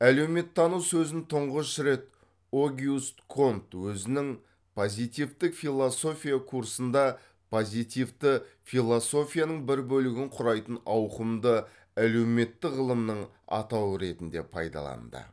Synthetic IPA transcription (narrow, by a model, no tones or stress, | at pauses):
æle̞wme̞t̪ʰːɑnuwsɵzɪnt̪ʰʊɴʁəsɾe̞t̪ | oɡʲiust̪kʰo̞nt̪wɵzɪnɪŋ | pʰo̞zijt̪ijvt̪ɪkfʲijlˠoso̞fʲijakʰuɾsənd̪ɑ | pʰozijt̪ivt̪əfijlˠoso̞fʲijanəɴbɪɾbɵlɪɡʲɪɴqʰʊɾɑjt̪ənɑwqəmd̪ə | æle̞wme̞t̪ːɪʁəlˠəmnəɴ | ɑ̰t̪ɑwəɾe̞t̪ɪnd̪e̞̰pʰɑ̰jd̪ɑ̰lˠɑ̰nd̪ə̰